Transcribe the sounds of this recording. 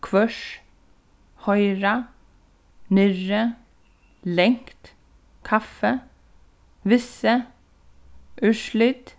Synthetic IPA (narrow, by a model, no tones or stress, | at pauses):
kʰʋœʃ | hɔʏɾɑ | nʏɾə | lɛŋkt̪ | kʰɑfə | ʋɪsə | ʔʉʃɭɪt̪